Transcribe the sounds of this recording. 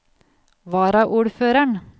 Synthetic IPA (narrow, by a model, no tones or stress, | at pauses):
ʋɑːɾɑʔuːɽføːɾəɳ